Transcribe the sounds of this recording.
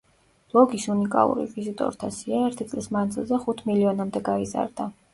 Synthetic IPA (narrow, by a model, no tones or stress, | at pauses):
lˠɔɡisunikʼa̰lˠṵɾḭvizit̪ʼɔ̰ɾt̪ʰasiaɛɾt̪ʰit̪sʼlismand̪zilˠzɛχut̪ʰmiliɔnamd̪ɛɡaiza̰ɾd̪a